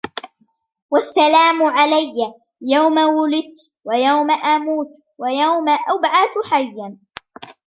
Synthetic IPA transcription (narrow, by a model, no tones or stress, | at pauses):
wasːalaːmʊʕalajːa | jawmawʊlɪt̪wajawmaʔamuːt̪ | wajawmaʔabʕaθħajːan